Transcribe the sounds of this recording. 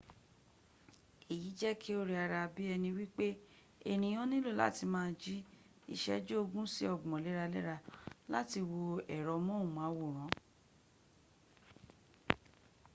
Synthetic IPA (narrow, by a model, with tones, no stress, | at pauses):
e˨ji˨˦d͡ʒɛ˦kʰi˦o˦ɾe˧a˧ɾa˧bi˦ɛ˧nĩ˧wi˦k͡pe˦ | e˧ñĩ˧j̃ɔ̃˦nĩ˦lo˦˨la̰˦ti˧mãː˦˧d͡ʒi˦ | ḭ˧ʃɛ̰˦d͡ʒo˦o˧ɡũ˦si˦ɔ˦˨ɡ͡bɔ̃˨lɛ˨˦ɾa˧lɛ˦ɾa˧la˦ti˧wo˧ɛ˨ɾɔ˨˧mɔ̃˦ũ˨mã˨˦wo˨ɾ̃ɔ̃˨˦